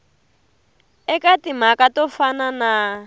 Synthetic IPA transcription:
ɛkatim̤akatɔfanana

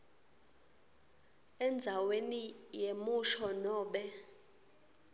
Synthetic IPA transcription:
ɛnd͡zʱawenijemuʃɔnɔːɓɛ

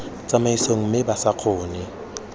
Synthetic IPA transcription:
t͡sʼamaisoŋ̩mɪbasaq͡χʰʊːnɪ

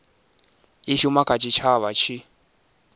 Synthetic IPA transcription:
iʃumakʰʼat͡ʃʰʼit͡ʃʰaβat͡ʃʰi

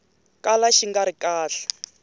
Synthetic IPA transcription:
kʼalaʃiŋɡaɾikaːɬḁ

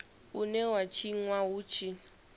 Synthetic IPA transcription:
unɛwat͡ʃʰiŋwaɦut͡ʃʰi

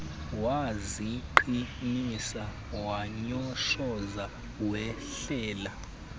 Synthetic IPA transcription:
waziǃinisa | waɲɔʃɔza | wɛɬɛːla

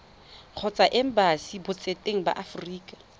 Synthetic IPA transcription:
k͡xʰɔt͡sʼaʔɛm̩basibʊt͡sʼetʼeŋ̩ba̰ʔafriːkʼḁ

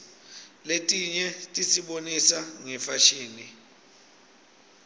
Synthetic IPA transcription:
letʼiɲɛtʼisiɓonisaŋɛfaʃiːni

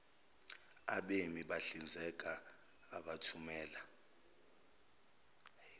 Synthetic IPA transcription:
a̰ɓemiɓaɬind͡zʱɛk̬ʼaː | ɓatʰumɛːla

